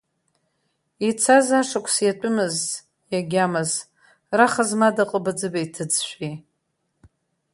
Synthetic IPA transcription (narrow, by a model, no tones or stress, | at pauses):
it͡sʰazaʂakʷʰʼsjatʷʼʊmɨz | jaɡʲamɨz | raχazmadaqʼəbad͡zɨbajtʰɨd͡zʃʷᶣi